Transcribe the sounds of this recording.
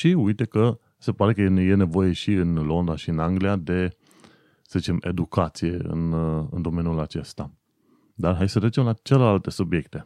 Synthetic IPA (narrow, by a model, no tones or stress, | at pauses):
ʃiujt̪e̞kə | se̞paɾe̞kəje̞ne̞vo̞je̞ʃiɨnlo̞nd̪aʃiɨnaŋɡliad̪e̞ | səzit͡ʃe̞me̞̰d̪ukat̪sije̞ɨ̰nɨ̰nd̪o̞me̞njulat͡ʃe̞st̪a | d̪arɦajsət̪ɾet͡ʃe̞mlat͡ʃe̞lelalt̪e̞subje̞kt̪e̞